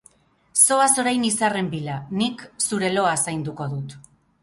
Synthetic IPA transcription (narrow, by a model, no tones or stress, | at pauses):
so̞aso̞ɾajnisare̞mbilaniksuɾe̞lo̞asajnd̪uko̞ðut̪